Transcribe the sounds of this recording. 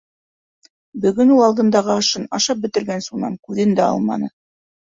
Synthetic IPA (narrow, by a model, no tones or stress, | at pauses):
bɵ̆ɡɵnulˠɑlˠd̪ɤ̆nd̪ɑʁɤɑʃɤnɑʃɑp̚bɘ̆t̪ɘ̆ɾɡænsunɑ̰mkʉðɘnd̪æɑ̰lˠmɑ̰nɤ